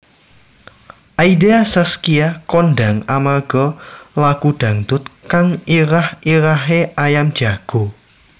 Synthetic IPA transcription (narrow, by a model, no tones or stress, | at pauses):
ʔaid̪easaskiakɔndaŋamarɡ̥ɔlakud̪̥ä̤ŋd̪̥ʊt̪̚kaŋiɾahʔiɾaɦeʔajamd̥d͡ʒ̥a̤ɡ̥o